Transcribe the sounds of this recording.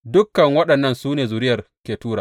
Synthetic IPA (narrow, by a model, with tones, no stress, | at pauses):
dʊ˦kːɐ˨ŋwɐ˦ɗɐ˨nːɐ˦˨nsuː˦neː˨zu˨ɾɪ˦jɐ˨r | kʲeː˨tuː˦ɾaː˨